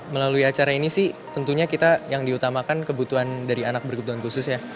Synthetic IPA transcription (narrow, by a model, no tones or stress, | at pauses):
məlaluiat͡ʃaɾainisɪht̪ənt̪uɲakit̪ajaŋdiut̪amakankəbut̪uɦandaɾianak̚bərɡut̪uankusʊsja